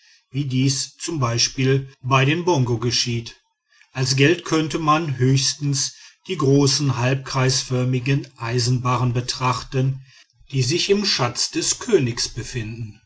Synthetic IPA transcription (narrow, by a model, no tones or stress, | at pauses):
viːdiːst͡sʊmbaɪʃpiːlbaɪdeːnbɔŋɡoɡəʃiːt | ʔalsɡ̥ɛltkʰœntəmanɦøːçstn̩sd̥iːɡʁoːsn̩ɦalp̚kʁ̥aɪsfœɐmɪɡənʔaɪzn̩baːʁənbətʁ̥aχtən | d̥iːzɪçɪmʃat͡sd̥ɛskʰøːnɪksb̥əfɪndn̩